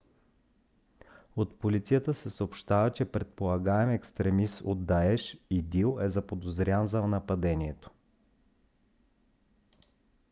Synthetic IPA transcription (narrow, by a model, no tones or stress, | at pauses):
ot̪polit̪sijət̪əsɛsəopʃt̪avət͡ʃɛpɾɛt̪̚polˠɐɡaɛmɛkst̪ɾɛmiso̰d̪dːaɛʃid̪ilˠɛzɐpod̪ozɾʲanzɐnɐpɐd̪ɛniɛt̪o̥